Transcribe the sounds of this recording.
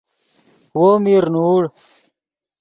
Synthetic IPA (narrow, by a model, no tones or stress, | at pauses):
woːmiɾnuːɽ